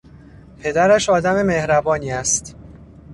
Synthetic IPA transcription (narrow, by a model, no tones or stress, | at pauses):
pʰe̞d̪æɾæʃɒːd̪æme̞me̞hɾæbɒːniːæst̪